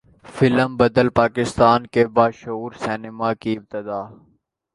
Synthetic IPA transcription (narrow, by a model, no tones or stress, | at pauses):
fɪləmbəd̪əlpaːkɪst̪aːnkebaːʃuːɾsɛːnɪmaːkiɪb̚t̪ɪd̪aː